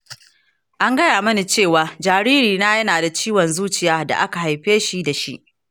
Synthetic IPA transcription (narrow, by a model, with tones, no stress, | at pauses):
ʔa˦ŋɡɐ˦jaː˨mɐ˦ni˨t͡ʃeː˦˨waː˦d͡ʒaː˨ɾiː˦ɾiː˨naː˦jɐ˦naː˨da˨t͡ʃiː˦wɔ˨nzuː˦t͡ʃɪ˨jaː˦da̰˨ʔa˦ka˨ɦa˨jɸeː˦ʃi˦da˨ʃḭ˦ʔ